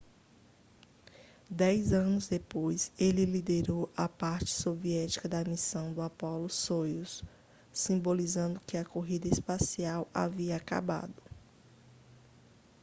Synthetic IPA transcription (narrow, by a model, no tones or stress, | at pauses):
d̪ɛjzɐ̃nʊzd̪epojselɪlid̪eɾowɐpaɾt͡ʃɪ̥soviɛt͡ʃi̥kɐd̪ɐmisɐ̃w̃d̪ʊapɔlʊsojʊsː | ĩbolizɐ̃nd̪ʊkɪɐkoɦid̪ɐespasiawa̰viɐaka̰ba̰d̪ʊ